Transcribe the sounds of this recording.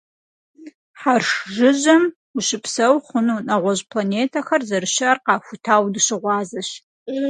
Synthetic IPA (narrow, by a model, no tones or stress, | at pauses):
ħarʂʒɨʑɐm | uʃɪpʰsɐwχʷʊnuːnɐʁʷɔʑpʰlaneːtʰɐxɐrzɐɾɨʃɐrqɑːxʷʊtʰaːwdɨɕɪʁʷɑːzɐɕ